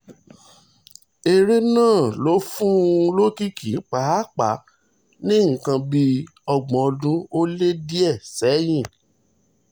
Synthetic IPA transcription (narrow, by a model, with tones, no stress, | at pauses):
e˧ɾe˦nãː˦˨lo˨˦fũ˦lo˦ki˦ki˨˦k͡pa˨˦a˦˨k͡pa˨˦ | nĩ˦ŋ̩˨kã˧bi˧ | ɔ˧ɡ͡bɔ̃˨ɔ˧dũ˦o˦le˦di˦ɛ˦˨sɛ˨˦j̃ĩ˦˨